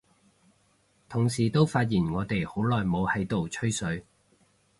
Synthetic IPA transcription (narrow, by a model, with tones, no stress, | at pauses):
t̪ʰʊ˨˩ŋsiː˨˩t̪o˥wfaː˧t̚jiː˨˩nŋɔː˨˧t̪e˨jho˨˥wlɔː˨˩jmo˨˧whɐ˨˥jt̪o˨wt͡ʃʰɵ˥ɥsɵ˨˥ɥ